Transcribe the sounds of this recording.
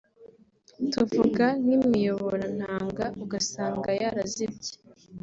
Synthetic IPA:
tuvuɡan̥imŋijo̞βoɾan̥haːŋɡauɡasaːŋɡajaɾazibɟe̥

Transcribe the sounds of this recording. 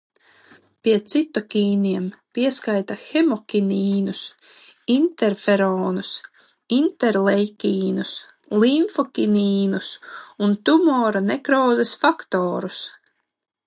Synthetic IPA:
piɛt̪sit̪ɔkʲiːnʲiɛmpiɛskajt̪axemɔkʲinʲiːnus | int̪ɛɾfɛɾɔːnus | int̪ɛɾlˠɛjkʲiːnus | liɱfɔkʲiniːnusunt̪umɔːɾanɛkɾɔːzɛsfakt̪ɔːɾus

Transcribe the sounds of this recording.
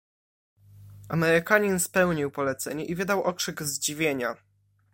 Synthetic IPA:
amɛɾɘkaɲinspɛwɲiwpɔlɛt̪sɛɲɛʔivɘd̪awʔɔkʂɘɡzd͡ʑivʲjeɲa

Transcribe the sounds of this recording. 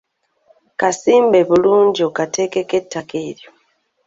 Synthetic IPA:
kasiːmbe̞βuluːɲɟio̞kate̞ːkeke̞tːakʰeːɾjo̞

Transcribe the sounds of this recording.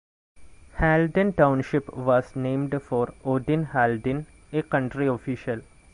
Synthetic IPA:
hæːlɖə̃nʈãʊ̃nʃɪpʋɔːznẽːmɖfɔːɾoːɖĩnhalɖĩn | ekʌ̃ɳʈɾiofiʃəl

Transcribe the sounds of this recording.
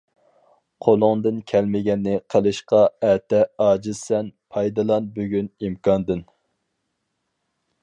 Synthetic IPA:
qʰolˠʊŋd̪ɨnkʲʰɛlmɪɡʲɛnːɪqʰəlˠɨʃqɑɛt̪ɛɑːd͡ʒɨzsɛnpʰɑjd̪ɨlˠɑnbøɡʲynimkʰɑnd̪ɨn

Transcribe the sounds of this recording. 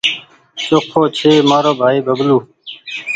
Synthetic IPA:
sokʰːoːt͡ɕʰeːmaːɾoːbʱaːiːbəbluː

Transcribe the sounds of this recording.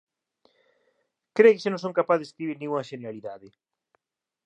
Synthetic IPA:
kɾekɪsɪnõŋsõŋkapaðeskɾiβiɾnĩŋuŋɐʃeneɾaliðaðɪ

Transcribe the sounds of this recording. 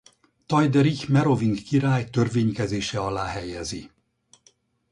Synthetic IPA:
t̪ɒjd̪ɛɾikmɛɾo̞viŋɡkiɾaːjt̪ø̞rveːɲkɛzeːʃɛɒlaːɦɛjɛzi

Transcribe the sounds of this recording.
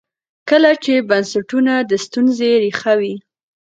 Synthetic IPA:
kəlat͡ʃebansaʈunad̪əst̪unzeɾixawi

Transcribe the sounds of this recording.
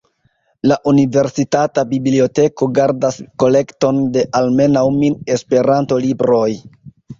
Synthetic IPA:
laʔunive̞ɾsitatabiblio̞te̞ko̞ɡaɾdasko̞le̞kto̞nde̞ʔalme̞nawmine̞spe̞ɾanto̞libɾo̞j

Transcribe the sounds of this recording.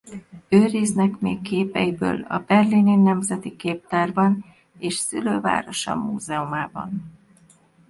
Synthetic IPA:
øːɾiznɛkmeːkːeːpɛjibø̰ːlɒ̰bɛrlininːɛmzɛt̪ikeːp̚t̪aːrbɒn | eːʃsy̰løːva̰ːɾo̞ʃɒ̰muːzɛomaːbɒ̰n

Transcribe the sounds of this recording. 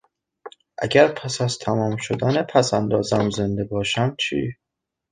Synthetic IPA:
ʔæ̰ɟæɾpʰæsæzt̪ʰæmɒːmʃod̪æːnepʰæsænd̪ɒːzæmze̞nd̪e̞bɒːʃæmt͡ʃʰiː

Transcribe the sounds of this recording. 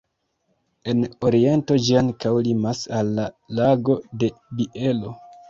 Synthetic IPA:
e̞no̞ɾie̞nto̞d͡ʒiaŋkawlimasalːa | laɡo̞de̞biʔe̞lo̞

